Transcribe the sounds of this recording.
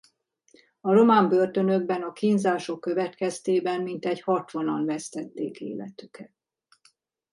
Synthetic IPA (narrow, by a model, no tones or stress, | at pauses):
ɒɾo̞maːmbø̞rt̪ø̞nø̞ɡbɛnɒkinzaːʃo̞kːø̞vɛt̪kɛst̪eːbɛmmint̪ɛɟhɒt̪ʋo̞nɒnvɛst̪ɛt̪ːeːkḛːlɛ̰t̪ykʰɛt̪̚